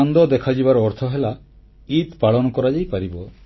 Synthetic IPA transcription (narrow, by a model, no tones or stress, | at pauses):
and̪ɔd̪ɛkʰad͡ʒibaɾɔɾt̪ʰɔɦela | it̪paɭɔnɔkɔɾad͡ʒajpaɾibɔ